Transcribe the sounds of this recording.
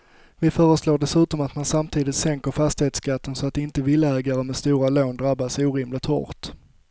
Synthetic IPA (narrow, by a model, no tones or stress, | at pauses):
vɪfœːɾəsloːɖɛsʉ̟ːt̪ɔmat̪mansamt̪ʰiːd̪ɪt̪sɛŋkəɾfast̪ɪheːt̪skat̪ːənsɔat̪̚ɪnt̪əvɪlːɛːɡaɾəmɛst̪uːɾaloːnd̪ɾabːasuːɾɪːmlɪt̪hɔ̰ɾt̪